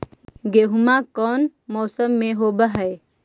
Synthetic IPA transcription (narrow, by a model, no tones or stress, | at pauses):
ɡeɦʊmãkɔːnmɔːsəmːẽɦoːbəɦəe